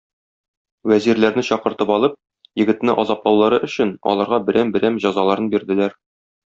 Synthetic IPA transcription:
wæziɾlæɾnɘɕɒqɤ̆ɾt̪ɤpɒlˠɤp̚ | jɘ̆ɡɘ̆t̪nɘʔɒzɑplˠɑwlˠɑɾɤʔɵ̆ɕɘnɒ̰lˠɑɾʁɑbɘ̆ɾʔæmbɘ̆ɾæmʑɒzɑlˠɑɾɤnbiɾd̪ɘ̆læɾ

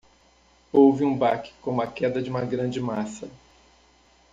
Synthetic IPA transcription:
owvɪũbakɪ̥kõũɐkɛd̪ɐd͡ʒɪũmɐɡɾɐ̃d͡ʒɪmasɐ

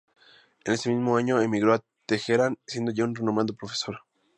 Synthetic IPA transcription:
ene̞se̞mizmoaɲo̞emiɣɾo̞a | t̪exeɾansje̞nd̪o̞ʝaunrenõmand̪opɾofe̥so̞ɾ

